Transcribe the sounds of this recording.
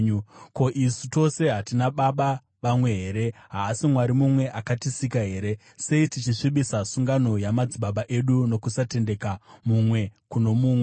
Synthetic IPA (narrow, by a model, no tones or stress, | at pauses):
ɲuko̞ʔisuto̞se̞ɦatinaɓaɓa | ʋamwe̞ɦe̞ɾe̞ɦaːsimwaɾimumwe̞ʔakatisikaɦe̞ːɾe̞ | se̞itit͡ʃiʂiɓisasuŋɡano̞jamad͡ziɓaɓaʔe̞ɗuno̞kusate̞nde̞kamumwe̞kuno̞muːmwe